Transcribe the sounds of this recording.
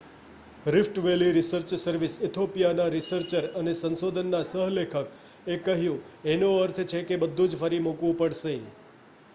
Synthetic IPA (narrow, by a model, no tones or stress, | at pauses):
ɾɪfʈʋeliɾɪsəɾt͡ʃsəɾʋisɪt̪ʰopijanaɾɪsəɾt͡ʃəɾənesə̃nsod̪ʱənːasəɦlekʰək | ekːəɦjũenoəɾt̪ʰt͡ʃʰekebəd̪ʱːũd͡ʒfəɾimukʋũpəɽʃe